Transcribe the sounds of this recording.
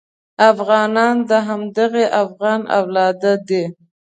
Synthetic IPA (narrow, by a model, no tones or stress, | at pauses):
afɣɑnɑnd̪əɦamd̪aɣeʔafɣɑna̰wlɑd̪ad̪e